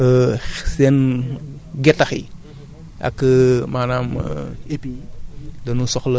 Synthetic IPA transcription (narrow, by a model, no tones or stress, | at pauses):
əsɛn | ɡɛtːɐxḭ | ʔɐ̰kːəmaːnaːm̰idɐnusɔxlɐ